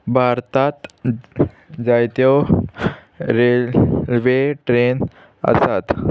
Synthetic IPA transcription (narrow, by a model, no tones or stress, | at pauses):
bʱaɾt̪at̪ | d͡zajt̪jɔ | ɾelʋeʈɾen | ə̰sat̪